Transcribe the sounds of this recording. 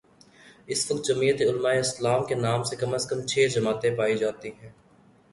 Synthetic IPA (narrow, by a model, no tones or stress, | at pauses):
ɪsʋək̚t̪̚d͡ʒəmiːət̪eʊlmaːeɪslaːmkenaːmsekɐməskəmt͡ʃʰeːd͡ʒɐmaːt̪ẽpaːid͡ʒaːt̪iɦɛ̃ː